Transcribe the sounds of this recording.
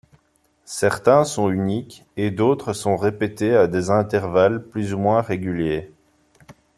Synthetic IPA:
sɛʁt̪ɛ̃sɔ̃ynik | ed̪ot̪χəsɔ̃ʁepet̪ead̪ezɛ̃t̪ɛʁvalplyzumwɛ̃ʁeɡʲylje

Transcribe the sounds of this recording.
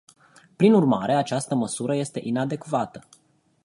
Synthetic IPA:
pɾinurma̰ɾe̞at͡ʃast̪əməsuɾəje̞st̪e̞ʔinad̪e̞kvat̪ə

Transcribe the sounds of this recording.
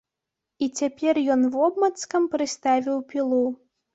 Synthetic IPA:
it͡sʲapʲɛrjɔnvɔbmɐt̪skɐmpɾɨst̪avʲiwpʲilˠu

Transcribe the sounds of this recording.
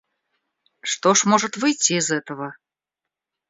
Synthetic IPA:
ʂt̪oʂmoʐət̪vɨjtʲːiːzɛt̪əvə

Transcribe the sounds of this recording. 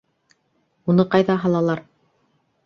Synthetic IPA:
unɤqɑjðɑɦɑlˠɑlˠɑɾ

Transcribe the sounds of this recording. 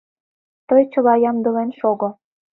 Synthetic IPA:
t̪ɤjt͡ɕə̆lɑjɑmd̪ɤ̆lenʃoɣŏ

